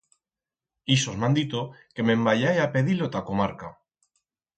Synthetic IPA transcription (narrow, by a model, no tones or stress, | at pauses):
isozmãnd̪it̪oke̞me̞mbaʎajape̞ðilot̪akomaɾka